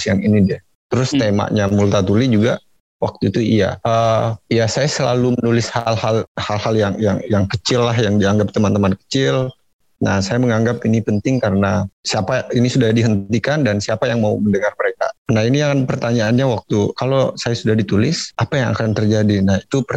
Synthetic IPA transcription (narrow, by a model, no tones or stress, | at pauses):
sjaŋinidɛ | t̪əɾʊst̪ema̰ʔɲamult̪at̪ulid͡ʒuɡa | wa̰k̚t̪uit̪uija̰ʔəijasajasəla̰lumənulɪshalhalhalhaljaŋjaŋjaŋkət͡ʃɪlːaɦjaŋdiaŋɡap̚t̪əmant̪əmankə̥t͡ʃɪl | nahsajaməŋaŋɡapinipənt̪ɪŋkaɾənasiapainisudahdiɦənt̪t̪ikandansiapajaŋmauməndəŋarməɾeka̰nahiniaŋanpərt̪aɲaːnɲawak̚t̪ukalosajasudahdit̪ulɪsapajaŋa̰kant̪ərd͡ʒadinahit̪upər